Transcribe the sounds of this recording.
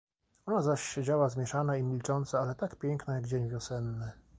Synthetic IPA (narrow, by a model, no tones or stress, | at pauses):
ɔnazaɕɕɛd͡ʑawazmʲjɛʂanaimʲilt͡ʂɔnt̪saalɛt̪akpʲjɛŋknajaɡd͡ʑeɲvʲjɔsɛnːɘ